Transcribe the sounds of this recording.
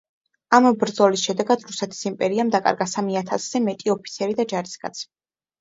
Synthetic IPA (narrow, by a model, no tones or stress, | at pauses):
ambɾd̪zɔlisʃɛd̪ɛɡad̪ɾusɛt̪ʰi̥simpʼɛɾiamd̪akʼa̰ɾɡasamiat̪ʰasz̥ɛmɛt̪ʼiɔpʰit̪sʰiɛɾid̪ad͡ʒaɾiskʼa̰t̪sʰi̥